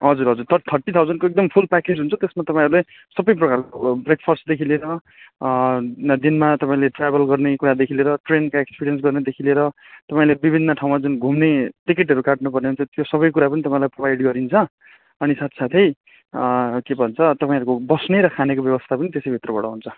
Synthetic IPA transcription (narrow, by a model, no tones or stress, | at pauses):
ɦʌd͡zuɾɦʌd͡zurt̪ʰʌt̪ʰʌrʈit̪ʰawd͡zʌnɖkoek̚d̪ʌmpʰulpaked͡zɦunt͡sʰt̪esmat̪ʌpãĩʌɾule | sʌbʌjprʌkarkobrek̚pʰʌrsd̪ekʰileɾʌ | d̪inmat̪ʌpãĩleʈrabʌlɡʌrnekuɾad̪ekʰileɾʌʈrenkaekspiɾijʌns̬ɡʌrned̪ekʰileɾʌ | t̪ʌpãĩlebibʱinːʌʈʰaw̃mad͡zunɡʱumneʈikeʈɦʌɾukaʈnupʌrneɦunt͡sʰʌt̪josʌbʌjkuɾapʌnit̪ʌpãĩlajprobajɖɡʌɾint͡sʰʌ | ʌnisat̪ʰi̥sat̪ʰʌj | kebʱʌnt͡sʰʌt̪ʌpãĩʌɾukobʌsneɾʌkʰanekobjʌβʌst̪ʰapʌnit̪esʌjbʱit̪rʌbʌɽʌɦunt͡sʰʌ